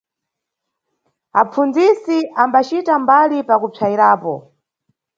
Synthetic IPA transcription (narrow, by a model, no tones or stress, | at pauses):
ap͡fund͡zisiambat͡ʃitambalipakupʰaiɾaːpɔ̰